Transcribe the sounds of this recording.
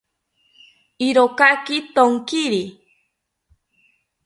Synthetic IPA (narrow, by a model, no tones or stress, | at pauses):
iɾokakit̪oŋkiɾi